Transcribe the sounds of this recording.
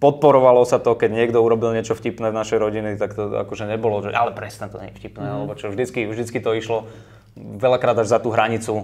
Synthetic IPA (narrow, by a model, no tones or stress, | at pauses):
pɔt̪̚pɔɾɔʋalɔsat̪ɔkɛɟɲɪɛɡd̪ɔuɾɔbilɲɪɛt͡ʃɔfcipnɛːvnaʃɛjɾɔɟinit̪akt̪ɔa̰kɔʒɛɲɛbɔlɔʒɛʔalɛpɾɛsnɛt̪ɔ̰ɲɛ̰ɲifcipnɛːalɛbɔt͡ʃɔvʒd̪it͡skivʒd̪it͡skit̪ɔiʃlɔ | ʋɛʎakɾaːd̪aʒzat̪uːɦɾaɲit͡su